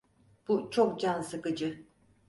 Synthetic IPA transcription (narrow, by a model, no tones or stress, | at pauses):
b̥ut͡ʃʰok̚d͡ʒansɯkɯd͡ʒɯ